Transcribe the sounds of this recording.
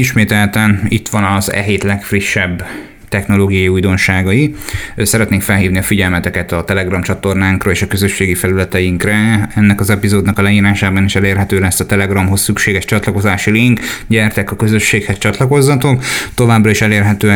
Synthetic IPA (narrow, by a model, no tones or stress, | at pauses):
iʃmeːt̪ɛlt̪ɛnit̪ʋɒnɒzɛ̰ɦeːt̪lɛkfriʃːɛbː | t̪ɛxno̞loːɡijɒjiujd̪o̞nʃaːɡɒiøsɛɾɛt̪neːŋkfɛlɦiːvniɒfiɟɛlmɛt̪ɛkɛt̪ɒt̪ɛlɛɡrɒmt͡ʃɒt̪o̞rnaːŋkrɒeːʃɒkø̞zø̞ʃːeːɡifɛlylɛt̪ɛjiŋkrɛɛnːɛkɒzɛpizoːd̪nɒkɒlɛjiːɾaːʃaːbɒniʃɛleːrɦɛt̪øːlɛsːɒt̪ɛlɛɡrɒmɦo̞sːykʃeːɡɛʃt͡ʃɒt̪lɒko̞zaːʃiliŋkɟɛrt̪ɛkɒkø̞zø̞ʃːeːkhɛst͡ʃɒt̪lɒko̞zːɒt̪okt̪o̞vaːbrɒiʃɛleːrɦɛt̪øː